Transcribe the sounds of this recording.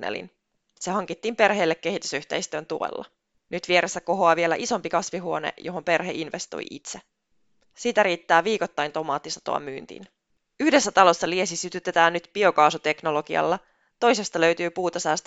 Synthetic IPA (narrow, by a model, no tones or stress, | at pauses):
nḛlḭn | se̞ɦɑŋkit̪ːiːmpe̞rɦe̞ːlːekːe̞hit̪y̥syht̪e̞̰jst̪ø̞ːnt̪uḛlːɑ̰ | nyt̪ʋie̞ɾʔesːæko̞ɦo̞ɑʋie̞læʔiso̞mpikɑsʋiɦuo̞nḛjo̞ɦo̞mpe̞rɦḛʔinʋest̪o̰jʔit̪se | siːt̪æɾiːt̪ːæːʋiːkot̪ːɑjnt̪omɑːt̪ːisɑ̥t̪o̰ɑ̰myːnt̪ḭːn | yhde̞sːæt̪ɑlo̞sːɑlie̞sisyt̪yt̪et̪æːnːyt̪pio̞kɑːsut̪e̞kno̞lo̞ɡiɑ̰lːɑ | t̪o̞jse̞st̪ɑlø̞ɥt̪yːpuːt̪ɑsæːst̪